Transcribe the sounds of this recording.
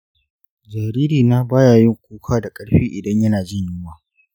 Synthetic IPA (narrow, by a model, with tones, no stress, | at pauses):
d͡ʒa˨ɾiː˦ɾiː˨naː˦baː˦jaː˨jɪ˦ŋkʷuː˦kʰaː˦da˨kʼɐ˦ɽɸiː˦ʔɪ˨dɐ˦ɲjɐ˦naː˨d͡ʒɪ˦ɲjɪ˦waː˨